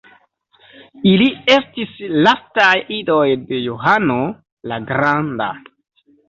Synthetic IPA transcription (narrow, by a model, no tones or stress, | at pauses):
ilie̞stislastajido̞jde̞joɦano̞ | laɡɾanda̰